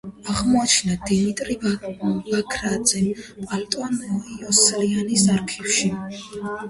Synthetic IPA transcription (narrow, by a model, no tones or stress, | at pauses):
aʁmɔat͡ʃʰnad̪imit̪ʼɾivakʰɾad̪z̥ɛmpʼalt̪ʼɔnɔiɔslianisaɾkʰifʃi